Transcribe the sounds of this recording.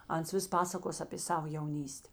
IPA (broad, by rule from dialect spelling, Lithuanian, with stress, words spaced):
ˈɐns ˈʋʲɪs ˈpɑːsɐkoːs ɐpʲeː ˈsɑːʋoː jɛʊˈnʲiːsʲtʲɛ